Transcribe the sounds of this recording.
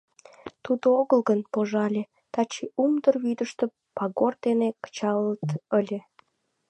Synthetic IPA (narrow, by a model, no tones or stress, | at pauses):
t̪ud̪ooɣəlɣənpoʒɑlʲe | t̪ɑt͡ɕiumd̪ərβyd̪əʃt̪ə | pɑɣord̪enekə̥t͡ɕɑlːət̪əlʲe